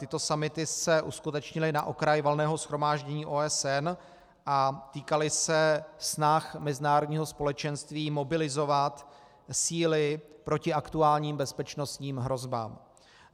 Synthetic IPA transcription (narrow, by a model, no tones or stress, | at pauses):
t̪ɪt̪o̞samɪt̪ɪsɛʔuskut̪ɛt͡ʃɲɪlɪnaʔo̞kɾajvolnɛːɦo̞sxɾo̞maːʒɟɛɲiːʔoːɛsɛn | ʔat̪iːkalɪsɛsnaxmɛzɪnaːɾodɲiːɦo̞spo̞lɛt͡ʃɛnst̪viːmo̞bɪlɪzo̞vat̪ | siːlɪpɾo̞cɪʔakt̪uaːlɲiːmbɛspɛt͡ʃno̞st̪ɲiːmɦɾo̞zba̰ːm